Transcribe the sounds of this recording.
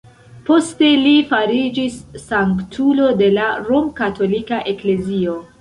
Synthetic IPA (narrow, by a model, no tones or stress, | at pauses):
po̞ste̞lifaɾid͡ʒisːaŋktʰulo̞de̞laɾo̞mkato̞likaʔe̞kle̞zio̞